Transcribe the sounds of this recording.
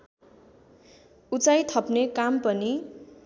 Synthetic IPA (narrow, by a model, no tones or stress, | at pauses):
ut͡sajt̪ʰʌpnekampʌni